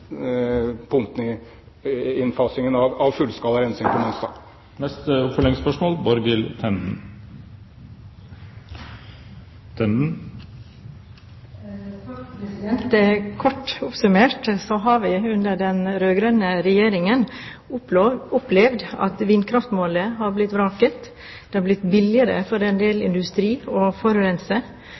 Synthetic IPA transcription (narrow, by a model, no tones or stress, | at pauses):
pʰʊŋt̪nɪ | ɪnfɑsɪŋənɑʋɑʋfʉlskɑːləɾɛnsɪŋpʰɔmɑnst̪ɑ̰ | nɛst̪əfɔlɭɛŋspœʂmoːlbɔɾɡɪlt̪ʰɛnd̪n̩ | t̪ʰɛnd̪n̩ | ɛnt̪ɛkʰɔʈʊpsʉmeːʈsɔɦɑɾʋɪʉnd̪əɖɛnɾøːɡɾœnəɾɛjeːɾɪŋən | ʊplɛʋd̪ɑ̰t̪ʋiːnkʰɾɑft̪moːləhɑɾblɪt̪ːʋɾɑːkət̪ | d̪̥eːhɑɾblɪt̪ːbɪlɪəɾə̰fɔɾɛnd̪eːlɪ̰nd̪ʉst̪ɾiːɔfɔɾɾɛnsə